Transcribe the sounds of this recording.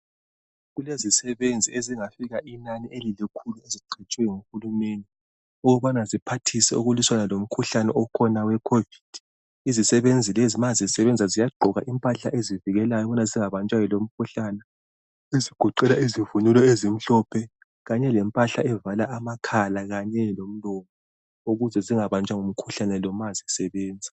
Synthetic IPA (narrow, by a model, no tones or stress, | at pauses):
ɣulezisɛβend͡zʱieziŋafiɣaʔinaniʔelilikʰulueziǃʰɛt͡ʃʼwɛŋuxulumeni | uɣɔβanazipʰatʰisɛuɣuliswanalom̩kʰuɬanɛʔɔkʰɔnawɛkʰovid̥ʱ | izisɛβend͡zʱilɛzimazizisɛβɛnd͡zʱazijaɡ͡ǃʱɔɣaʔimpʼaɬa̰ʔeziviɣɛlajɔβɔnaziŋaβant͡ʃʼajɔlom̩kʰuɬaːnɛ | eziɡ̥ʱuǃɛlaizivunulɔezim̩ɬɔpʰɛ | ɣaɲɛlɛmpʼaɬaʔɛvalaʔamakʰalaɣaɲɛlom̩lɔŋɔ | uɣuzɛziŋaβant͡ʃʼaŋom̩kʰu̥ɬanɛlɔmazisɛβɛːnd͡zʱḁ